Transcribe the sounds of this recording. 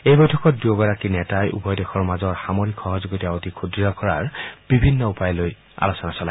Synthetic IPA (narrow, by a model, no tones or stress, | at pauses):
ejbɔjtʰɔkɔt̚duoɡɔɹakinɛtajʔṵbɔjdexɔɹmazɔɹxamoɹikxɔɦɔzoɡitaotikʰudijɔkɔɹa̰ɹb̥ibʱinːɔupajloj | a̰losɔnasɔla